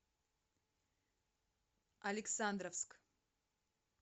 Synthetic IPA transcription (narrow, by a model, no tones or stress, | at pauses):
aliksaːnd̪ɾəfsk